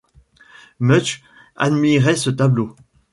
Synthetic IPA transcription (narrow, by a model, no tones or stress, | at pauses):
mœt͡ʃ | a̰d̪miʁɛsət̪ablo